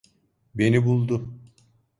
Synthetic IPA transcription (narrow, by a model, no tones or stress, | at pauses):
be̞nibulˠd̪ʊ